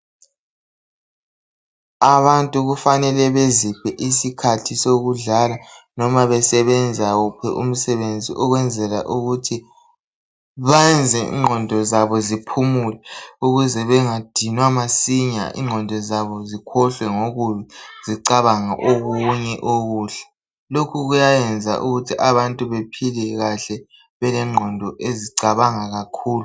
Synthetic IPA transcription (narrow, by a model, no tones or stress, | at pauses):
aβantʼuɣufanɛlɛβezib̥ʰʱɛʔisikʰatʰisoɣuɮalanɔmaβɛsɛβɛnd͡zʱaɣupʰɛʔum̩sɛβend͡zʱiʔɔɣwɛnd͡zʱɛla̰ʔuɣutʰi | βand͡zʱɛʔḭŋ͡ǃʱɔndʱɔzaβɔzipʰumulɛuɣuzɛβɛŋad̥ʱinwamasiɲa̰ʔḭŋ͡ǃʱɔndʱɔzaβɔzikʰɔɬwɛŋoɣuβiziǀaβaŋaʔoɣuɲɛʔoɣuːɬḁ | lokʰuɣujajɛnd͡zʱa̰ʔuɣutʰiʔaβantʼuβepʰilɛɣaɬɛ | βɛlɛŋ͡ǃʱɔndʱɔʔeziǀaβaŋaɣakʰuːlu